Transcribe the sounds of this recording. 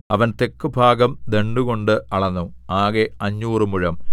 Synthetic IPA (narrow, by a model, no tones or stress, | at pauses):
ɐʋɐnt̪e̞kːubʱaːɡɐmd̪e̞ɳɖuɣo̞ɳɖɨɐɭɐnːuaːɣeɐɲːuːrɨmuɻɐm